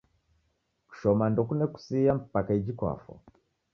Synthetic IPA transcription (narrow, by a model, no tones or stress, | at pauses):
ku̥ʃɔmandɔkunɛku̥sijam̩pakaid͡ʒikwa̰fɔ̰